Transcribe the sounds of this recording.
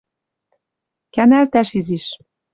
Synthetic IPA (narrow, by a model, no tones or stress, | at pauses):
kænælt̪æʃiziʃ